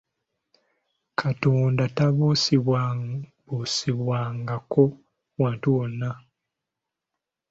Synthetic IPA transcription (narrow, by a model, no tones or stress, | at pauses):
kʰatoːndataβusiβwabusiβwaːŋɡako̞ | waːntuwonːa